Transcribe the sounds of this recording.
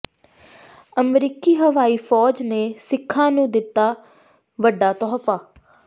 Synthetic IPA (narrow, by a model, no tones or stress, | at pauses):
əmɾiːkiːɦəʋaːiːpʰɔːd͡ʒneːsɪkʰːãːnũːd̪ɪt̪ːaː | ʋəɖːaːt̪ɔːfaː